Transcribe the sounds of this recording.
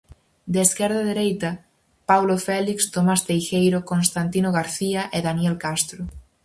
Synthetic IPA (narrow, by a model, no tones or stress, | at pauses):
d̪eːskɛɾð̞ɐðeɾejt̪ɐ | pawlofɛlikst̪omast̪ejʃejɾokonst̪ant̪inoɣaɾθiɐʔeðanjɛlkast̪ɾʊ